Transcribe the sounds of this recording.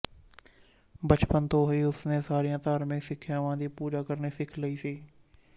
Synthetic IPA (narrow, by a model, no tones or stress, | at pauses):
bət͡ʃpənt̪oːɦʊiːʊsneːsaːɾijãːt̪aːɾmẽːsɪkʰːjaːʋãːd̪iːpuːd͡ʒaːkəɾneːsɪkʰləiːsiː